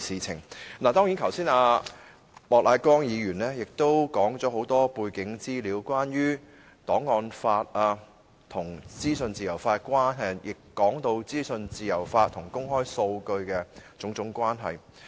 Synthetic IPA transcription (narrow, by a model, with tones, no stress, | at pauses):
siː˨˩t͡sʰɪ˨˩ŋnaː˨˩t̪ɔː˥ŋji˨˥nkʰɐ˨˩wsiː˥naː˧ | mɔː˨k̚lʔaː˨˧˥kɔː˥ŋjiː˨˧ɥyː˨˩nlɛː˥jɪ˨k̚t̪o˥wkɔː˨˥ŋt͡sɔː˨˥ho˨˥wt̪ɔː˥puː˧jkɪ˨˥ŋt͡siː˥liː˨˥wkʷwaː˥njyː˥ | t̪ɔː˨˥ŋːɔː˧nfaː˧t̚aː˧ | t̪ʰʊ˨˩ŋt͡siː˥sɵ˧nt͡siː˨jɐ˨˩wfaː˧kʷwaː˥nɦɐ˨jjɪ˨kːɔː˨˥ŋt̪o˧wt͡siː˥sɵ˧nt͡siː˨jɐ˨˩wfaː˧t̪ʰːʊ˨˩ŋkʊ˥ŋɦɔː˥jso˧wkɵ˧ɥkɛː˧t͡sʊ˨˥ŋt͡sʊ˨˧˥ŋkʷwaː˥nɦɐ˨j